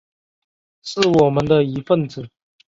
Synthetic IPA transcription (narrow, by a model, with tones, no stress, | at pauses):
ʂɻ̩˥˩wɔ˨˩mə˦nd̪ə˧i˧˥fə˥˨nd͡zɹ̩˨˩